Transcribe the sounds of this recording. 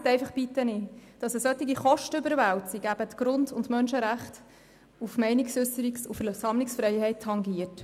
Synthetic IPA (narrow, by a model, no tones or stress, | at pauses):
tɛɪfɑχbitənid̥ɑsəsœtːiɡiχɔʃtəʏbəɾvæwtsiɡ̥æb̥ətɡ̥ɾʊndʊndmœnʃəɾæχt | ufmɛɪniksʏsəɾiksufəsɑmlɪksfɾɛɪhɛɪtʰːɑŋɡiət